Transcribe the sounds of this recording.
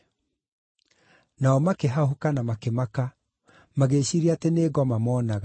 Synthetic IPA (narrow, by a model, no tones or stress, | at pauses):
naɔmakeɦaɦokanamakemaka | maɣeɕiɾiateneːɣɔmamɔːnaɣa